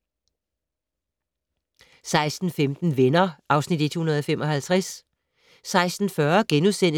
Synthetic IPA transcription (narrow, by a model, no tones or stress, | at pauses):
sɑ̈ɪsd̥n̩femd̥n̩ʋenɐʔɑ̈ʊsnid̥e̝d̥hunɐð̞̩ˠɒ̽femʔɒ̽ɦælt͡sʰʁasː | ɑ̈ɪsd̥n̩fɶɐɡ̥enusen̰